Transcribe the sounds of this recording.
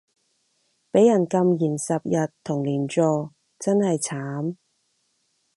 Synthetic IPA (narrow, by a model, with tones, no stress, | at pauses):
pe˨˥jɐ˨˩nkɐ˧mjiː˨˩nsɐ˨p̚jɐ˨tt̪ʰʊ˨˩ŋliː˨˩nt͡ʃɔː˨˧ | t͡sɐ˥nhɐ˨jt͡sʰaː˨˥m